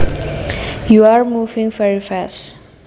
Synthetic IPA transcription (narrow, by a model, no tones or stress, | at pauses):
juaɹmuvĩŋvɛɹifast